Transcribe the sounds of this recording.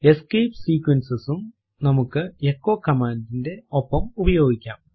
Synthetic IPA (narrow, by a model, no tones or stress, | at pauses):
e̞skejpsiːkwɐnsɨsum | nɐmukːɨekːo̞ːkːɐmaːnt̪ːinde̞opːɐmubɐjo̞ːɡikʲːaːm